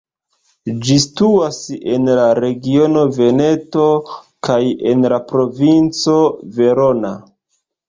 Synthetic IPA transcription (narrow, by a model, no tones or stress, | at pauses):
d͡ʒistuase̞̰nlaɾe̞ɡio̞no̞ve̞ne̞to̞ | kaje̞̰nlapɾo̞vint͡so̞ve̞ɾo̞na